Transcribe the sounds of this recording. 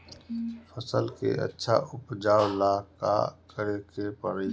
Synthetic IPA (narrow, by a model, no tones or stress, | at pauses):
pʰəsəlkḛʔə̰tːʃʰa̰ʔʊpd͡ʒaːwlaːka̰kəɾekepəɾe